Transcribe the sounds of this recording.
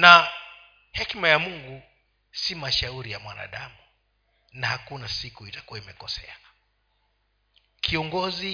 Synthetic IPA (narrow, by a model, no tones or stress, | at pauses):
na | hɛkmajamuŋɡu | simaʃauɾijamwa̰na̰ɗamu | nahakunasikuitḁkuwaimɛkɔsɛ̰a | kʰiɔŋɡɔzi